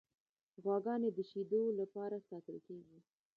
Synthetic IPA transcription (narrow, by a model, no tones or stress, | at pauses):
ɣwɑɡɑned̪əʃid̪olapɑɾasɑt̪əlkeɡi